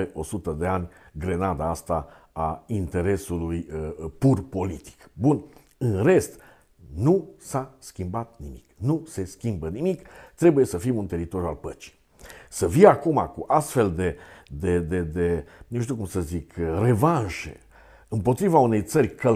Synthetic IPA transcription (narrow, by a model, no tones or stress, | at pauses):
eʔo̞sut̪əd̪e̞anʲɡɾenad̪aast̪aaint̪e̞ɾe̞sulujpurpo̞lit̪i̥kbun | ɨnre̞st̪ | nusaskʲimbat̪̚nimiknuse̞skʲimbənimikt̪ɾebuje̞səfimunt̪e̞ɾit̪o̞ɾjua̰lpət͡ʃi̥ | səfiakumakuʔast̪fe̞ld̪e̞d̪ed̪e̞d̪enuʃt̪iukumsəzikre̞vanʃḛ | ɨmpo̞t̪ɾivaune̞jt̪sərʲkʰə